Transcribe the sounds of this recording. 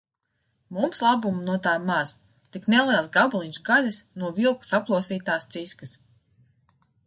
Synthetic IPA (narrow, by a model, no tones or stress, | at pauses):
mumslˠabumunuɔt̪aːmaz̥ | t̪iknɛlˠiɛlˠsɡablˠiɲʲsɡalʲasnuɔvilˠku̥saplˠuɔsiːt̪aːst̪siskɨs